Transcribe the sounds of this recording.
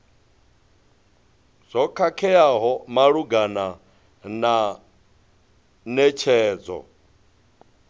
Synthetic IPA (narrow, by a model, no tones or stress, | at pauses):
z̥ʷɔkʰakʰɛaɦɔmaɺuɡana | na | nɛt͡ʃʰɛːd͡zɔ̰